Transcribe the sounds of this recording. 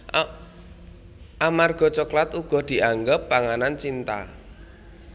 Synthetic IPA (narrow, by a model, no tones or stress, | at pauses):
ʔamarɡ̥ɔ̤t͡ʃɔklat̪uɡ̥ɔ̤d̪̥i̤ʔaŋɡəpːaŋanant͡ʃint̪a̰